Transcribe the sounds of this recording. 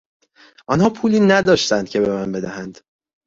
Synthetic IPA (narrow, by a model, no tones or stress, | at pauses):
ʔɒnhɒːpʰuːliːnæd̪ɒːʃt̪ænd̪̚cʰe̞be̞mænbe̞d̪æhænd̪̥